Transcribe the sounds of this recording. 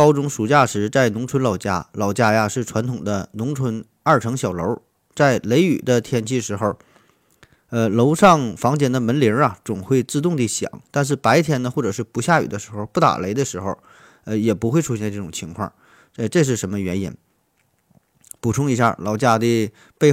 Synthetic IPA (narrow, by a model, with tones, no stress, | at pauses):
kɑ˥ʊʈ͡ʂʊ˧˥ŋʂu˨˩t͡ɕja˥˩ʂɻ̩˧˥t͡sa˥˩ɪnʊ˧˥ŋʈ͡ʂʰwə˧˥nlɑ˨˩ʊt͡ɕja̰˥˩lɑ˨˩ʊt͡ɕja˥˩ja˧ʂɻ̩˥˩ʈ͡ʂʰwa˧˥nt̪ʰʊ˨˩ŋd̪ə˦nʊ˧˥ŋʈ͡ʂʰwə˧˥n | a˞˥˩ʈ͡ʂʰɤ˧˥ŋɕjɑ˨˩ʊlo˧˥ʊ | t͡sa˥˩ɪle˧˥ɪy̰˨˩d̪ə˦t̪ʰjɛ˧˥nt͡ɕʰi˥ʂɻ̩˧˥xo˥˧ʊ | ə˧lo˧˥ʊʂɑ˥˩ŋfɑ˧˥ŋt͡ɕjɛ˨˩nd̪ə˧mə˧˥nli˧˥ɐ˧t͡sʊ˨˩ŋxwe˥˧ɪt͡sɹ̩˥˧t̪ʊ˥˧ŋt̪i˥˩ɕjɑ̰˨˩˦ŋt̪a˥˧nʂ̬ɻ̩˥˩pa˧˥ɪt̪ʰjɛ˧˥nd̪ə˧xwɔ˥˩ʈ͡ʂɤ˨˩ʂɻ̩˥˩pu˧˥ɕja˥˩y̰˨˩d̪ə˦ʂɻ̩˧˥xo˧ʊpu˥˩t̪a̰˨˩le˧˥ɪd̪ə˧ʂɻ̩˧˥xo˥˧ʊ | ə˧jɛ˨˩pu˧˥xwe˥˩ɪʈ͡ʂʰu˧˥ɕjɛ˥˧ə˧ʈ͡ʂɤ˥˩ʈ͡ʂʊ˨˩ŋt͡ɕʰi˧˥ŋkʰwɑ̰˥˩ŋ | ə˥˧ʈ͡ʂɤ˥˧ʂ̬ɻ̩˥˩ʂə˧˥nmə˧ɥɛ˧˥nḭ˨˩˦n | pu˨˩ʈ͡ʂʰʊ˥ŋi˧˥ɕja̰˥˩lʔɑ̰˨˩ʊt͡ɕja˥˧d̪i˧ | pe˥˧